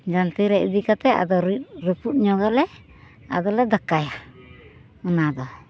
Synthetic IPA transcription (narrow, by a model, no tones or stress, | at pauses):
d͡ʒant̪iɾɛʔid̪ikat̪ɛa̰d̪ɔɾɾuput̪̚ɲɔɡalɛ | a̰d̪ɔlɛd̪akaja | unad̪ɔ